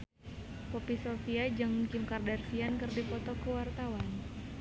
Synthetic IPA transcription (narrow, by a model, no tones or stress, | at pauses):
popisofiad͡ʒɨŋkimkardarsiankɨrdipɔt̪ɔkuwart̪awan